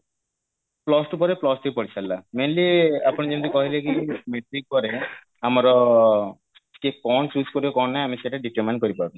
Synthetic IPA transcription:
plɔsʈupɔɾeplɔsʈ̪ipɔɽit͡ɕʰalːamenliapɔnid͡ʑemd̪ikɔɦilekimeʈɾik̚pɔɾe | amaɾɔ | kekɔnsuskoɾibekɔnːajamiʃeʈaɖiʈəɾmankoɾipɔɾb

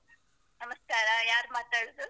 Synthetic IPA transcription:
nəməskaːɾajaːɾmat̪ɐɽzu

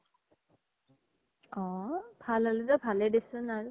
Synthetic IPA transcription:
ɔbʱalaluzɔbʱalɛdesʊnaɹu

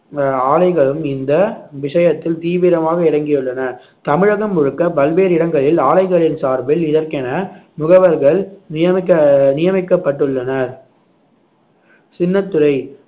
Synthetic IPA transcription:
aːlɐɪɣɐɭɯmɪnd̪ɐʋɪʂɐjɐt̪ːɪlt̪iːʋɪɾɐmaːɣɐɪɾɐŋɡɪjɯɭːɐnɐ | t̪ɐmɪɻɐɣɐmːʊɻɯkːɐpɐlʋeːɾɪɽɐŋɡɐɭɪlaːlɐɪɣɐɭɪnsaːɾbɪlɪðɐɾkɛnɐmʊɣɐʋɐɾɣɐɭnɪjɐmɪkːɐnɪjɐmɪkːɐpːɐʈːɯɭːɐnɐɾ | sɪnːɐt̪ːɯɾɐɪ

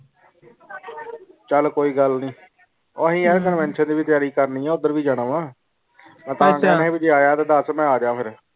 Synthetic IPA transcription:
t͡ʃəlkoːiːɡəlnĩː | oɦĩːɛːɾkənʋɛ̃ːnʃə̃nd̪iːbit̪ɪjaːɾiːkəɾniːɛ̃ːʊd̪ːəɾʋiːd͡ʒaːɽ̃əːʋãː | ãt̪ãːɡaːnɛ̃ɦĩbid͡ʒeːaːjaːt̪aːd̪əsmɛ̃ːaːd͡ʒãːpʰɪɾ

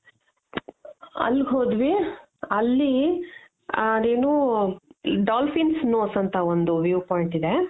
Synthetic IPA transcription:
ɐ̰lːɡɦoːd̪ʋi | ɐlːi | eːnuː | ɖaːlfinsnoːsɐnt̪ʰɐond̪uʋjuːpaːjɳʈid̪e

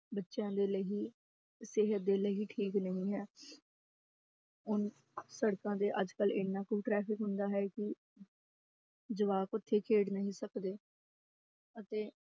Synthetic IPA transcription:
bətːʃjãːd̪eːləɦiː | sɪɦət̪̚d̪eːləɦiːʈʰiːknəɦĩːɦɛː | ʊn | səɽkãːd̪eːʔəd͡ʒkəlɪnːãːkuːʈɾɛːpɪkɦʊnd̪aːɦɛːkɪ | d͡ʒəʋaːkʊt̪ʰːeːkʰeːɽnəɦĩːsəkd̪eː | ət̪eː

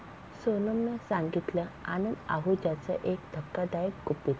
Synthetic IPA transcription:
sənəmnəsaŋɡit̪ləanənd̪a̰ɦud͡ʑat͡sə̰ʔekd̪ʱəkːad̪ajəkɡupit̪

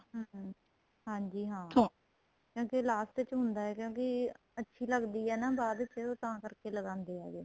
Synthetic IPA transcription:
ɦː | ɦãːɲd͡ʒiːɦãː | kjõːkelaːst̪ɪt͡ʃɦʊnd̪aːɛːkjõːki | ətːʃʰiːləɡd̪iːɦɛːnaːbaːd̪ət͡ʃːɛoːt̪ãːkəɾkeːləɡãːnd̪eːa̰ːɡḛː

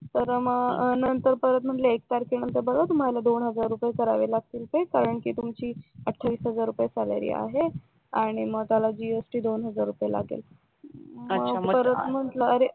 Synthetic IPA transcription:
t̪əɾməɡnənt̪əɾpəɾət̪̚m̤əɳʈləek̚t̪aɾkiɳənt̪əɾbəɡat̪um̤alad̪onɦəd͡zaɾːupjekəɾaʋelaɡ̚t̪iːlp̪ekaɾəɳkiːt̪umt͡ɕiːəʈʰːaʋiːsɦəd͡zaɾːupjesala̰ɾḭːa̰ɦe | aɽ̃iməɡ̚t̪jalad͡ʑiesʈiːd̪onɦəd͡zaɾːupjela̰ɡḛl | məɡpəɾət̪m̤əʈləəɾe

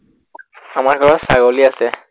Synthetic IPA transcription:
amaɹɡʱɔɹɔsaɡoliasɛ

